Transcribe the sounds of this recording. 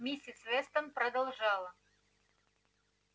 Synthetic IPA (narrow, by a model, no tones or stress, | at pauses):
mʲisʲɪsvʲɛst̪əmpɾɐd̪ɐlˠʐɑlˠə